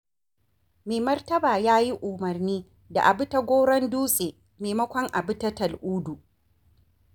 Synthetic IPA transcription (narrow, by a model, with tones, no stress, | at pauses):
meː˨mɐ˦rtɐ˦baː˨jaː˦ji˦ʔʊ˨mɐ˨rniː˦ | da̰˨ʔa˨bʊ˦ta˦ɡʷoː˦ɽɐ˦nduː˦sʼeː˨ | meː˨mɐ˦kʷɔ˦ŋʔa˨bʊ˦tɐ˦tɐ˨lʔuː˦du˨ʔ